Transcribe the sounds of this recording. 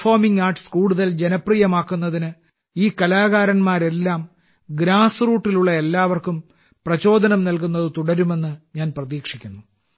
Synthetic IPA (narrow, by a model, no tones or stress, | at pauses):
fo̞ːmiŋɡaːrʈɨ̥skuːɽuðɐld͡ʑe̞nɐpriːjɐmaːkːunːɐðinɨ | iːkɐlaːɣaːɾɐnmaːɾe̞lːaːm | ɡɾaːsɨruːʈːiluɭːɐe̞lːaːʋɐrkum | prɐt͡ɕo̞ːd̪ʱɐnɐmnɐlk̬unːɐðɨt̪uɽɐɾume̞nːɨɲaːnprɐðiːkʂikʲːunːu